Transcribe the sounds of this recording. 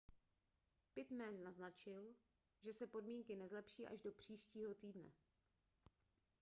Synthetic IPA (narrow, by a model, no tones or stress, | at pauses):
pɪt̪mɛnːaznat͡ʃɪl | ʒɛsɛpo̞dmiːŋkɪnɛzlɛpʃiːʔa̰ʒdo̞pr̝̥iːʃciːɦo̞t̪iːdnɛ̰